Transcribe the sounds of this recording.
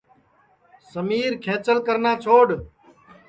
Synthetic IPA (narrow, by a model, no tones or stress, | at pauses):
səmiːɾkʰẽːt͡ʃəlkəɾnaːt͡ʃʰoːɽ